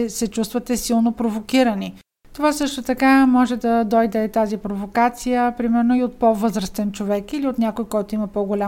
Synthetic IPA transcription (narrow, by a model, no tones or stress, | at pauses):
sɛt͡ʃust̪vət̪ɛsilˠnopɾovokiɾəni | t̪ovasɤʃt̪ot̪ɐkamɔʒɛd̪ɐd̪ɔjd̪ɛt̪azipɾovokat̪sijəpɾimɛɾnoiot̪̚pɔvɤzɾəst̪ɛnt͡ʃovɛkiliot̪nʲakojkɔjt̪oiməpɔɡolʲa